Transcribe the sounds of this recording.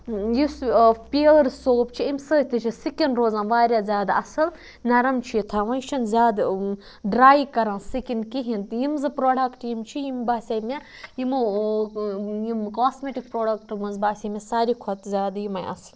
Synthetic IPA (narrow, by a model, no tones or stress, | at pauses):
jispʲiːlɾsoːp̚t͡ʃʰiimsəɦʲt̪ʰit͡ʃʰisikʲinɾoːzãːʋaːɾʲazʲaːd̪ɐsɨl | nɐɾɐmt͡ʃʰit̪ʰaʋɐ̃jʃʰɐnzʲaːd̪ | ɖɾaːjkɐɾãːnsikʲinkiɦint̪jimzɨpɾoːɖɐkʈjimt͡ʃʰijimbaːsʲɐme | jimu | jimkaːsmeːʈik̚pɾoːɖɐkʈmɨnzbaːsʲɐmʲesaːɾikʰot̪zʲaːd̪jimɐjʔɐ̰sl